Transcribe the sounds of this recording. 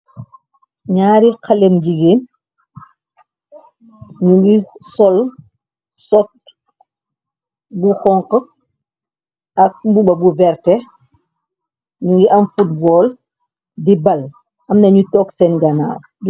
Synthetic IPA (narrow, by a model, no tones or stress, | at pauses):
ɲaːɾikɐlemd͡ʒiɡeːn | ɲuɡisɔl | sɔt̚ | buxɔŋqə | ɐk̚mbuɓɐbuvɛrtɛ | ɲuŋɡiʔɐmfut̚bɔːl | dibɐl | ɐmnɐɲutɔksɛnɡɐna̰ːw